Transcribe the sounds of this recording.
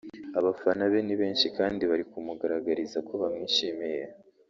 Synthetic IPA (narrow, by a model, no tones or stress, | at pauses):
aβafanaβeniβe̞ːnʃikaːndiβaɾikumuɡaɾaɡaɾizako̞βamŋiːʃimije